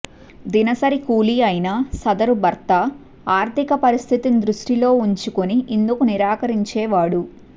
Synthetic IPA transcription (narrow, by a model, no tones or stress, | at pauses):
d̪inɐsɐɾikuːliɐjnɐsɐd̪ɐɾubɐɾt̪ɐ | aːɾt̪ʰikɐpɐɾist̪ʰit̪ind̪ɾuʂʈilo̞ːuɲt͡ʃukoniʔind̪ukuniɾaːkɐɾiɲt͡ʃɛːʋaːɽu